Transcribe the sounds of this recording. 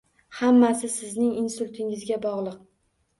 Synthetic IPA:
hamːasɪsɪznɪŋɪnsʊlʲˠt̪ʰɪŋɪzɡʲabɒʁlˠɨq̚

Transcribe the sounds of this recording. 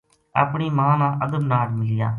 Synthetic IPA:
a̰ːpɳiːmãːnãːʔəd̪əmnaːɾmɪlɪjaː

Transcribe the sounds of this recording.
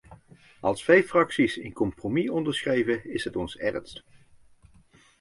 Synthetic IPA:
ʔɑlˠsfejfrɑksisɪnkɔmpromiɔndəɹsχrejvəɪsɦətɔnsɛ̰rnst

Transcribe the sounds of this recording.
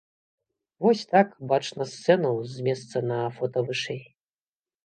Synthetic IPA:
vɔsʲt̪akbat͡ʂnɐst̪sɛnɐwzʲmʲɛst̪sɐnɐfɔt̪ɐvɨʂɛj

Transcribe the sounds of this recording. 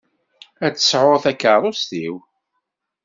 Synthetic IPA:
æt͡sːə̥sʕoɾθækːəɾɾˤost̪iw

